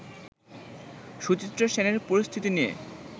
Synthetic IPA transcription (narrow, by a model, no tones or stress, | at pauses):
ʃut͡ɕit̪ːɾoʃeneɾpoɾist̪ʰit̪inijḛ